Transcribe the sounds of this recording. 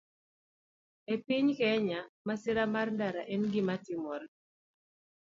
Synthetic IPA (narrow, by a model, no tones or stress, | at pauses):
epiɲkɛɲamasɪɾamarndaɾaʔɛnɡɪmatɪmɔr